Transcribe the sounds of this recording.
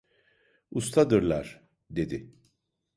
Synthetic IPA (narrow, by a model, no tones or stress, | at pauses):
ust̪ʰad̪ɯɾlˠa̰ɾ̥ | d̪e̞d̪ɪ